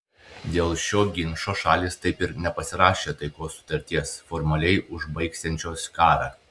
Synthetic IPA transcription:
d̪ʲeːlˠʃʲoːɡʲɪnʃoːʃɑːlʲiːst̪ɐɪpɪɾnʲɛpɐsʲɪɾɑːʃʲeːt̪ɐɪkoːsːʊ̥t̪ɐɾʲt̪ʲiɛsfɔɾmɐlʲɛɪʔʊʒbɐɪksʲɛnʲt͡ʃʲoːskɑːɾɑː

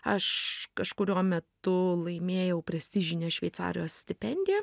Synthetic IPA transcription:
ɐʃkɐʃkʊɾʲuɔmʲɛt̪ʊlˠɐɪmʲeːjɛʊpɾɐsʲt̪ʲɪʒʲɪnʲeːʃʲʋʲɛɪt̪sɑ̰ːɾʲɪjoːssʲt̪ʲɪpʲɛnʲd̪ʲɪjɛ

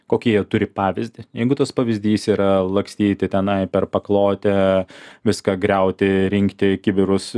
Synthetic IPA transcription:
koːkʲijɛt̪ʊɾʲɪpɑːʋʲɪzʲd̪ʲɪjɛɪɡʊt̪ɐspɐʋʲɪzʲd̪ʲiːsiːɾɐlˠɐŋksʲt̪ʲiːt̪ʲɪt̪ʲɛnɐɪpʲɛrpɐklˠoːt̪ʲɛʋʲɪskɐɡɾʲɛʊt̪ʲɪɾʲɪŋkt̪ʲɪkʲɪbʲɪɾʊs

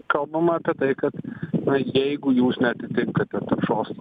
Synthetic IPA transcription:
kɐlˠbɐmɐɐpʲiɛt̪ɐɪkɐt̪nɐjɛɪɡʊjuːsnʲɛɐt̪ʲɪt̪ʲɪŋkɐt̪ʲɛt̪ɐɾʃoːst̪

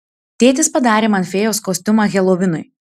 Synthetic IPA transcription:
t̪ʲeːt̪ʲɪspɐd̪ɑːɾʲeːmɐnʲfʲɛjoːskoːsʲt̪ʲʊmɑɣʲɛlˠoːʋʲɪnʊɪ

